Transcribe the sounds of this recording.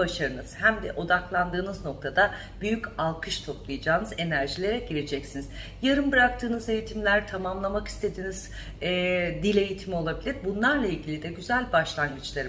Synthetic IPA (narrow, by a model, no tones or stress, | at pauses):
baʃaɾɯnɯz̥hæmd̪ɛ̰ʔo̞d̪aklˠand̪ɯːnɯzno̞k̚t̪ʰad̪a | b̥yjycalˠkʰɯʃt̪ʰo̞plˠɯjad͡ʒaːnɯze̞næɾʒilʲe̞ɾɛɟiɾed͡ʒɛcsiniz | jaɾɯmbɯɾak̚t̪ʰɯːnɯze̞jit̪ʰimlʲæɾt̪ʰamamlˠamaki̥st̪ʰe̞d̪iniz̥ | ɛd̪ilʲe̞jit̪ʰimio̞lˠabilʲiɾbunlˠaɾlˠailʲɟilʲid̪ɛɟyzælʲbaʃlˠaŋɡɯt͡ʃlˠaɾɯ